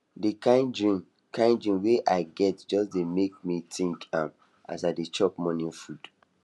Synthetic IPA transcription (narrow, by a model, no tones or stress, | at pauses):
dikãɪ̃nd͡ʒɹĩn | kʰãɪ̃nd͡ʒɹĩnweʔaɪɡɛtd͡ʒɔsdemek̚mitʰĩŋkãm | a̰saɪdet͡ʃɔpmɔ̃nĩnfud̥